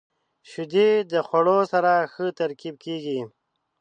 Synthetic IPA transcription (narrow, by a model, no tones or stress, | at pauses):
ʃud̪ed̪əxaɽosaɾaxət̪ɐɾkib̚keːɡi